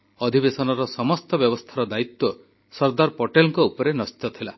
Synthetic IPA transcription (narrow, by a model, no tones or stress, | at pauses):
ɔd̪ʱibesɔnɔɾɔsɔmɔst̪ɔbjɔbɔst̪ʰaɾɔd̪ait̪wɔ | sɔɾd̪aɾpɔʈelɔŋkɔupɔɾenɔst̪ɔt̪ʰila